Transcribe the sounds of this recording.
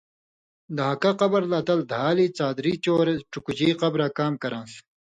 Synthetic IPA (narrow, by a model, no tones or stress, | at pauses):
d̪ɐɦɐkaqɐbɐɾlɐt̪ɐld̪ʱaːlit͡saːd̪ɾiːt͡ɕoːɾeʈ͡ʂukut͡ɕiːqɐbɾakaːmkɐɾãːs